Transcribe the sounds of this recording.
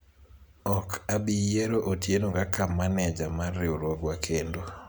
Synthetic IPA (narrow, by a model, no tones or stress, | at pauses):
ɔkʰabijeɾoʔotjenokakamːanɛd͡ʒamarɪoɾwoɡwakʰendo